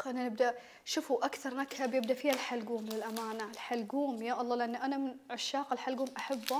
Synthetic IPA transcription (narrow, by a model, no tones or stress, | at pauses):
ʔɪnːanɪb̚d̪a | ʃʊfuʔakθɑɾˤnakhabjɪb̚d̪afiːhalħalɡuːmlɪlʔamaːnaɪlħalɡuːmjaːʔɑlˤːɑːlɪʔanːʔanamɪnʕaʃːaːqɪlħalɡuːmʔaħabːa